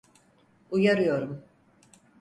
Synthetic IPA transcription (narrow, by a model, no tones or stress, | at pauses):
ujaɾɯjo̞ɾum